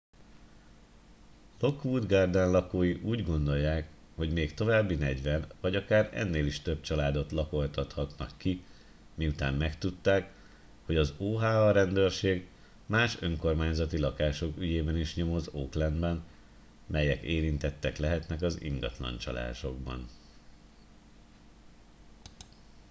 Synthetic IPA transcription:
lo̞kʋuːd̪ɡard̪aːnlɒkoːjiʔuːɟɡo̞nd̪o̞jːaːk | ho̞ɟmeːkt̪o̞vaːbːinɛɟʋɛnvɒɟɒkaːɾɛ̰nːeːliʃt̪ø̞b̚t͡ʃɒlaːd̪o̞t̪lɒko̞lt̪ɒt̪hɒt̪nɒkːi | miut̪aːmmɛkt̪ut̪ːaːk | ho̞ɟɒzoːɦaːɒɾɛnd̪øːrʃeːɡ | maːʃøŋko̞rmaːɲzɒt̪ilɒkaːʃo̞kyɟeːbɛniʃɲo̞mo̞zoːklɛnbɛn | mɛjɛkeːɾint̪ɛt̪ːɛklɛɦɛt̪nɛkɒzḭŋɡɒ̰t̪lɒ̰nt͡ʃɒ̰lʔa̰ːʃo̞ɡ̚bɒ̰n

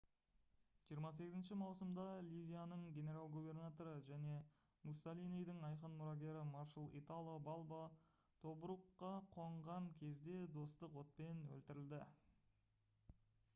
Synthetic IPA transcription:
ʒ̥ijəɾmɑs̬e̞ɡɪzɪnʃɪmɑwsəmd̪ɑlʲivʲijanəɴɡʲe̞ne̞ɾalˠɡube̞rnat̪o̞ɾəʒæne̞ | musolinijd̪əɴɑjqənmʊɾɑɡʲe̞ɾɪmɑrʃəlˠḭt̪alˠbɑlˠbɑ | t̪ʰo̞bɾuqːɑqʰo̞ɴʁɑŋkʲʰe̞zd̪e̞d̪o̞st̪əqwo̞t̪̚pe̞nwɵ̰lt̪ɪɾɪld̪ɪ

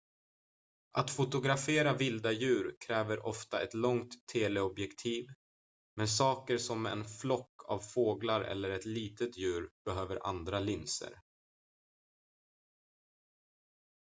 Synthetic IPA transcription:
ʔat̪fʊt̪ʊɡɾafeːɾavɪld̪ajʉ̟ːɾkʰɾɛːvəɾʔɔft̪aɛt̪lɔŋt̪ʰːeːlɛɔbjɛkt̪ʰiːv | mɛnsɑːkəɾʂɔmɛ̰nflɔkʰːa̰vfoːɡlaɾɛ̰lːəɾɛt̪liːt̪ət̪jʉ̟ːɾb̥ɛɦøːvəɾʔa̰nd̪ɾalɪnsə̰ɾ

